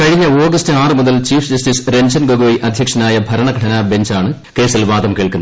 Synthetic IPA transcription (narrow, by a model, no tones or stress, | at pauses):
kɐɻiɲːɐo̞ːɡɐstɨaːrɨmuðɐlt͡ɕiːfsd͡ʑɐstisɾe̞nd͡ʑɐnɡoɡuʋɐjʔɐd̪ʱjɐkʂɐnaːjɐbʱɐɾɐɳɐɡʱɐʈʰɐnaːbe̞ɲd͡ʑaːɳɨ | ke̞ːsilʋaːd̪ɐmkeːɭkunːɐ